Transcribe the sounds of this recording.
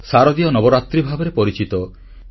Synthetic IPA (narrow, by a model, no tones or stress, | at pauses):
saɾɔd̪iɔnɔbɔɾat̪ɾibʱabɔɾepɔɾit͡ʃit̪ɔ